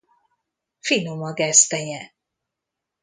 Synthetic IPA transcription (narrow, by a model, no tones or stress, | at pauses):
finomɒɡɛst̪ɛjɛ